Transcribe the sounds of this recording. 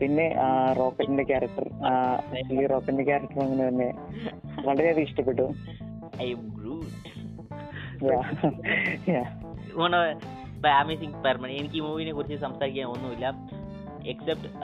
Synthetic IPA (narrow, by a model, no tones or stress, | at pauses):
pinːe̞ʔro̞ːkːɐʈːinde̞kʲaːɾɐk̚ʈɐ̰reiliro̞ːkːɐindekʲaːɾɐk̚ʈɐrɐŋːɐnːɨt̪ɐnːe̞ | ʋɐɭɐɾeɐðiiʂʈɐpːeʈːu | ɐjɐmɡɾuːʈ | jaː | jaː | uːɳːɐʋ | bɐjamisiŋɡpermɐɳenikʲːimuːʋiːnekurit͡ɕːɨsɐmsaːɾikʲːaːnonːuilːɐ | eksep̚ʈ